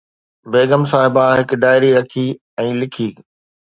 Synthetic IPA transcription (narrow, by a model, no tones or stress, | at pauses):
beːɡəmsaːɦɪbaɦɪk̆ɖaːɪɾiɾɐkʰi | ɛ̃ːlɪkʰiː